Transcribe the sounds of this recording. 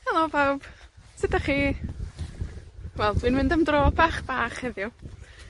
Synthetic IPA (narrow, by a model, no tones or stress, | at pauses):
alˠɔbawb̥sɪdaχi | wɛlˠd̥winmɪndəmdroːbaχb̥aːχhɛðjʊ